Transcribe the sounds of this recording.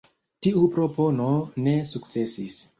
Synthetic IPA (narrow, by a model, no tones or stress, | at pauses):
tiupɾo̞po̞no̞ne̞sukt͡se̞sis